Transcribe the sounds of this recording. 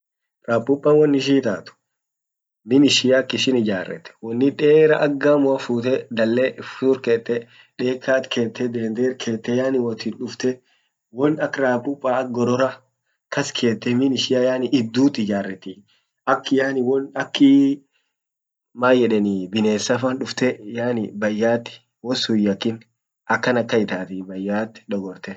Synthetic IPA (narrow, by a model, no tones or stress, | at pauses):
ɾaːpːʊpʼːɐwɔnːɪʃ̬iːt̪aːt̪ʊ̥ | mɪnɪʃɪjakːɪʃɪnɪd͡ʒaːrːɛ̰t̪ːɛ̥wɔnːɪᶑeːɾɐʔɐɡːamʊɐfuːt̪ɛd̪ɐlːɛfʊʊɾkeːt̪ːɛ | ᶑe̞ːkːaːt̪kʰe̞ːt̪ːɛd̪eːnd̪eːɾkʰeːt̪ːɛjaːnɪwɔt̪ɪnᶑʊft̪ɛ | wɔnɐkːɾaːpːʊpʼːaɐkɡɔɾɔɾɐ | kɐskʰe̞ːt̪ːɛmɪnɪʃɪjajaːnɪʔɪd̪ːuːt̪ɪd͡ʒaːrːɛt̪ːɪ | ɐkːɪjaːnɪwɔnɐkːɪ | maːjɛᶑɛnɪbɪne̞ːsːɐfɐnᶑʊft̪ɛjaːnɪbɐjːaːt̪ːɪ̥ | wɔsʊjːɐkːɪn | ɐkːɐnɐkːɐɪt̪aːt̪ɪbɐjːaːt̪ːɪ̥ᶑɔɡɔɾt̪ɛ